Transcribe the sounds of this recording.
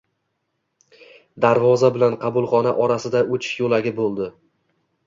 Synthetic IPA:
d̪aɾvɒzabɪlanqʰɑbʊlˠχɒnaʔɒɾasɪd̪aʔot͡ʃʰɪ̥ʃjolaɡʲɪbolˠd̪ɪ

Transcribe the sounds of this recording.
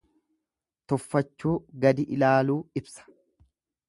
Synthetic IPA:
t̪ɔfːɐt͡ʃːuːɡɐd̪ɪʔɪlaːluːɪbsɐ̥

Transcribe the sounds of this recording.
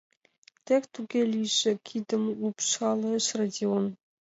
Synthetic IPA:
t̪ʲekt̪uɡʲelʲiʒɘ̆kʲʰid̪ɘ̆mlupʃɑlˠɤʃradʲion

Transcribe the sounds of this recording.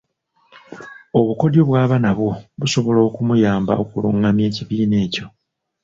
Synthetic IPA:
o̞βuko̞djoβwaːβanaβwoβuso̞βo̞lo̞ːkumujaːmba̰o̞kuluːŋamje̞ːciβiːne̞ːco̞

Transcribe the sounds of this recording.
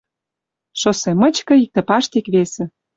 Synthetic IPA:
ʃosemə̆t͡ɕkɤ̆ik̚t̪ĕpɑʃt̪ikβesĕ

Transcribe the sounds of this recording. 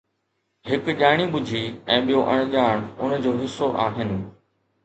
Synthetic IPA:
hɪkʄaːɽ̃iɓʊd͡ʑʱiɛ̃ːɓijoʔɐ̃ɽ̃ʄaːɽ̃ʊnd͡ʑoːɦɪsːoʔaːɦɪnɪ̆

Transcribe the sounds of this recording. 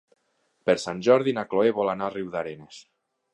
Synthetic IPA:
peɾsanʲʒɔɾðinakloeβɔlanariwðaɾenes

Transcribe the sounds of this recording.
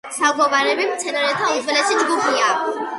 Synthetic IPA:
saɡɔvaɾɛbimt̪sʰɛnaɾɛt̪ʰaud̪zwɛlɛsid͡ʒɡupʰia

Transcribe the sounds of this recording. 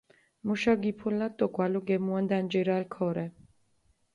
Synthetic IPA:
muʃaɡipʰulːat̪ʼːɔkʼwaluɡɛmuand̪and͡ʒɛɾalkʰɔɾɛ

